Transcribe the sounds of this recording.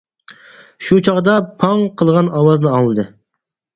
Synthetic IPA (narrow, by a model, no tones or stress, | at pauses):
ʃut͡ʃʰɑʁd̪ɑpʰɑŋqʰəlˠʁɑnɑwɑznɨɑŋlˠɨd̪ɨ